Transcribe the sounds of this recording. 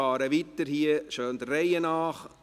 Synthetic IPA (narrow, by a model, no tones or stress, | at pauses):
ɑːɾəʋitːəɾhiəʃøːnd̪ərːɛjənɑːχ